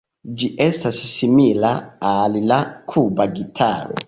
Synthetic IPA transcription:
d͡ʒiʔestasːimilaːllakʰubaɡitʰa̰ɾo̰

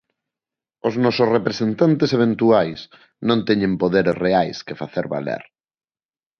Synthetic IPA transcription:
oznɔsʊsrepɾesent̪ant̪eseβ̞ent̪uajs | nõnt̪ɛɲẽmpoðeɾesreajskefaθeɾβa̰lḛɾ

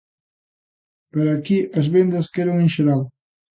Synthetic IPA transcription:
pɐɾaːkiʔɐzβend̪ɐskeɾoŋinʃeɾal

